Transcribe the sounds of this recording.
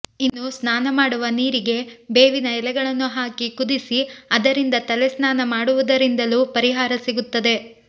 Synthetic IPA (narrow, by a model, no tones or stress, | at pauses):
inːusnaːnɐmaːɽuʋɐniːɾiɡe̞be̞ːʋinɐɛlɛɡɐɭɐnːuɦaːkikud̪isiɐd̪ɐɾind̪ɐt̪ɐlɛsnaːnɐmaːɽuʋud̪ɐɾind̪ɐluːpɐɾiɦaːɾɐsiɡut̪ːɐd̪e̞